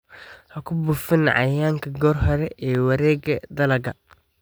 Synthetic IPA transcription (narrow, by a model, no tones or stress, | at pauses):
hɐkʰʊbʊfɪnʕɑ̰jaːŋkʰɐɡɔːrɦɔɾɛʔɛːwɐɾɛːɡɐd̪ɐlɐɡɐ